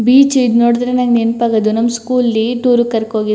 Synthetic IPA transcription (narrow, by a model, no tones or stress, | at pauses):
biːt͡ʃid̪noːɽid̪ɾenɐŋɡninpaːɡɐd̪unɐmskuːlːiʈuːɾukɐɾkoːɡi